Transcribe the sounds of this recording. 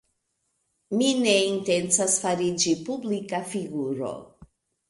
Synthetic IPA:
mine̞inte̞nt͡sasfaɾid͡ʒipublikafiɡuɾo̞̰

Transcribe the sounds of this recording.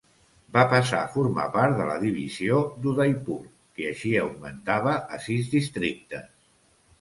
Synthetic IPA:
bapəsa̰fuɾma̰paɾt̪d̪ələ̰ðiβ̞iziod̪uðajpuɾ | kiəʃiəwɡ̚mənt̪aβ̞əʔːsizdist̪ɾik̚t̪ə

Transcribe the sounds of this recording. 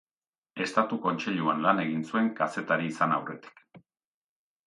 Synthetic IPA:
e̞st̪at̪uko̞nt͡seʎuanlane̞ɣ̞insue̞ŋkase̞t̪aɾiːsanawre̞t̪i̥k

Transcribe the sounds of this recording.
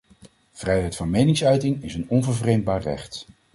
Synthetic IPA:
v̥rɛjɦɛjtfɑnmejnɪŋsœɥtɪŋɪsənɔnvəɹvrejm̚baːɹrɛ̰χt

